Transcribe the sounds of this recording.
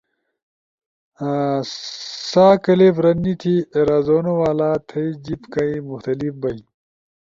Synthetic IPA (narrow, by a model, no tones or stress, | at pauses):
saːkɐlebɾɐnːit̪ʰieɾaːzoːnowaːlaːt̪ʰɐid͡ʑipkɐimuxt̪ɐlifbɐi